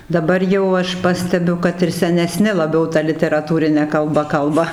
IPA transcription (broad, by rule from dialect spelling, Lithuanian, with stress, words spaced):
dɐˈbɐr jɛʊ ˈɐʃ ˈpɑːsʲtʲɛbʲʊ ˈkɐt ɪr sʲɛnʲɛˈsʲnʲɪ lˠɐˈbʲɛʊ ˈtɐ lʲɪtʲɛrɐˈtuːrʲɪnʲɛ kɐlˠˈbɐ ˈkɐlˠbɐ